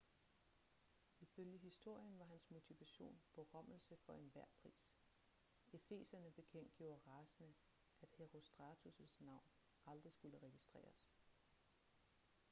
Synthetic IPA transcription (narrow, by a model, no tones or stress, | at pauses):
iføljəɦisd̥o̝ɐ̰jənʋɑ̈ɦænsmo̝t͡sʰiʋæɕo̝̰ːnb̥ʰɒ̽ʁɶm̰l̩səfɒ̽e̝nʋæɐ̰pʰʁḭːs | e̝fe̝̰ːsɐnəb̥e̝kʰen̰d̥ɡ̥jo̝̰ːɐʁɑ̈sənə | ʔæd̥heʁo̝sd̥ʁɑt͡sʰusəsnɑ̈ʊ̰n | ɑ̈ld̥ʁisɡ̥uləʁɛɡ̥isd̥ʁɛ̰ːɐs